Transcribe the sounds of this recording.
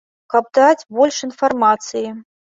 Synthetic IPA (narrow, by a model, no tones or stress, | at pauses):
kɐb̚d̪at͡sʲbɔlʲʂɨnfarmat̪sɨji